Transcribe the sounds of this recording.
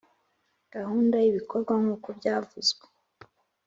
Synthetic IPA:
ɡ̥ahuːndaiβikʰo̞ɾɡwaŋ̥uːkobɟaːvuzɡwe

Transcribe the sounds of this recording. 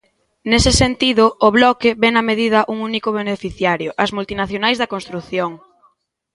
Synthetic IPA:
nesɪsent̪iðʊːβlɔkɪβɛnɐmeðið̞ɐʔuŋunikoβ̞enefiθjaɾjʊʔɐzmult̪inaθjonajzðɐkõnst̪ɾuθjoŋ

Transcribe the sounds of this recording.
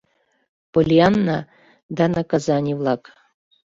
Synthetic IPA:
polʲianːa | d̪anakazanʲivlˠak

